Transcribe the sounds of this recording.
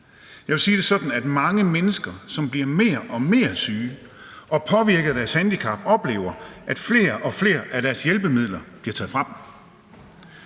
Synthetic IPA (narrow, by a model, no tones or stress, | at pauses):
jɑ̈ʋesiːd̥e̝sɒ̽d̥n̩æd̥mɑ̈ŋəmenəsɡ̥ɐsɒ̽mb̥liɐme̝̰ːɐʔɒ̽me̝ːɐsyː | ʔɒ̽pʰɒ̽ʋiɐɡ̥ðˠd̥æɐshænd̥ikʰɑ̈b̥ɒ̽b̥le̝̰ːʊ̰ɐʔæd̥fle̝̰ːɐʔɒ̽fle̝ːɐʔæɾ̥æɐsjelb̥əmið̞̰ˠlɐb̥liɐt͡sʰɛ̰ð̩ˠfʁɑb̥m̩